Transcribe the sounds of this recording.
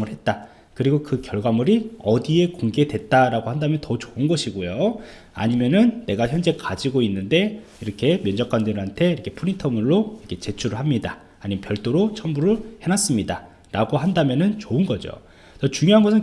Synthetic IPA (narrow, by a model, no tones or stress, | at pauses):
ŋɯɭhet̚t͈a | kɯɾiɡokɯkjʌɭɡamuɾiʌdie̞koŋɡe̞dwe̞t̚t͈aɾaɡohandamjʌntʌt͡ɕoɯnɡʌɕʰiɡojo | a̰ɲimjʌnɯnːe̞ɡaçjʌnd͡ʑe̞kad͡ʑiɡoinːɯnde̞ | iɾʌkʰe̞mjʌnd͡ʑʌk͈andeɾɯɭɦantʰe̞iɾʌkʰe̞pʰuɾintʰʌmuɭːoiɾʌkʰe̞t͡ɕe̞t͡ɕʰuɾɯɭɦamɲidaː | ɲimʌnpjʌɭt͈oɾot͡ɕʰʌmbuɾɯɭhe̞nas͈ɯmɲida | ɾaɡoɦandamjʌnɯnt͡ɕoɯnɡʌd͡ʑo̰ | t͡ɕʌt͡ɕuŋjoɦanɡʌsʰɯn